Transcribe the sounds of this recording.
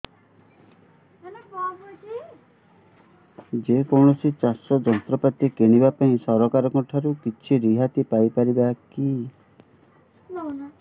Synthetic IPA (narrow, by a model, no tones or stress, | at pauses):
nkɔkot͡ʃʰi | d͡ʒekɔɾɳɔsʰit͡ʃasɔd͡ʒɔnt̪ɾɔpat̪ikeɽ̃ibapaĩsɔɾɔkaɾɔkɔʈʰaɾukit͡ʃʰiɾiɦat̪ipajpaɾibaki | nn